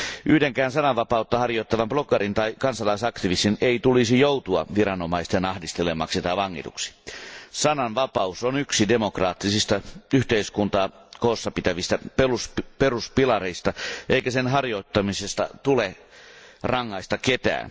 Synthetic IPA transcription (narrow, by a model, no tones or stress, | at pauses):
ʔyhdeŋkæːnsɑnɑʋʋɑpɑut̪ːɑhɑrjoit̪ːɑʋɑmb̥lokːɑrint̪ɑikɑnsɑlɑisɑkt̪iʋist̪ineit̪ulisijout̪uɑ̰ʋirɑnomɑist̪enɑhdist̪elemɑksit̪ɑʋɑŋːḭt̪ṵksi̥sɑnɑnʋɑpɑusonyksidemokrɑːt̪ːisist̪ɑyht̪eiskunt̪ɑː | koːsːɑpit̪æʋist̪æpelusperuspilɑɾeist̪ɑʔeikæsenɦɑrjoit̪ːɑmisest̪ɑ̰t̪ule | rɑŋːɑist̪ɑket̪æ̰ːn